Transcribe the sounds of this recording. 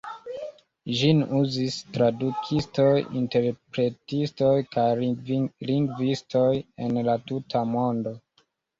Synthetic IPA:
ʒinuzistɾadukʰisto̞jḭnte̞ɾpɾe̞tisto̞jkaj | liŋɡvisto̞jenlatutʰamo̞ndo̞

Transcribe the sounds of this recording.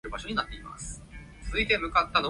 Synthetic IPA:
ɯ̟baɕo̞ɲ̟inat̪ːe̞ima̰sɨ̥ | t͡sɨzɨit̪e̞mɯ̟kat̪ːano

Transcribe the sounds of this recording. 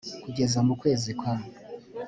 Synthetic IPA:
kuɡe̞zamukwe̞ːzikwano

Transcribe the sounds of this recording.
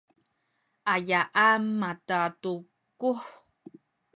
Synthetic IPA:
ʔajaʔamatatu | kuħ

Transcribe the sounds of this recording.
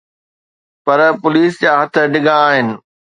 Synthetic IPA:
pɐɾpʊliːsd͡ʑaːɦɐt̪ʰə̆ɖɪɡãːɦɪnɪ̆

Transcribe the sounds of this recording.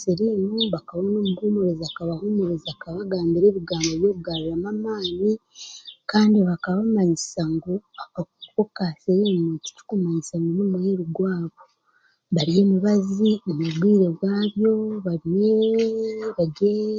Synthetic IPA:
seɾimuβakaβonoːmuhuːmeɾezakaβahumeɾeziakaβaɡaːmbiɾe̞ːβiɡaːmboβjo̞ːβuɡaːβiɾamamaːnikaːndiβakaβamaɲisaŋɡoakakokaseɾimoci̥tu̥kumaɲisaŋɡonumuheɾuɡwaːβo | βaɾije̞ːmuβaziomuβwiːɾeɡwaːβjo̞βaɾiwe | βaɟe

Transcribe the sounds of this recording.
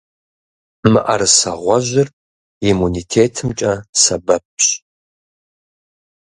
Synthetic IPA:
mɨʔɐɾɨsɐʁʷɔʒɪr | imunitʰeːtʰɨmt͡ʃʼɐsɐbɐp̚ʰɕʼ

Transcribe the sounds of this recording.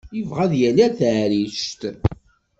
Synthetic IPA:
jəvʁæðjænæɾθʕɾiʃt̪

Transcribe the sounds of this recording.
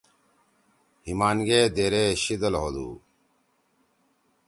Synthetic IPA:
himaːnɡeːd̪eːɾeɕid̪əlɦod̪ṵː

